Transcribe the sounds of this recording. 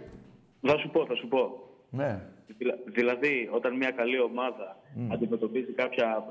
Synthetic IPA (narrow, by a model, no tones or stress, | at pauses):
θɐsupo̞θɐsupo̞ | neilðilɐðio̞t̪ɐnmɲɐkɐlio̞mɐðɐɐnd̪ime̞t̪o̞pizikɐpçɐ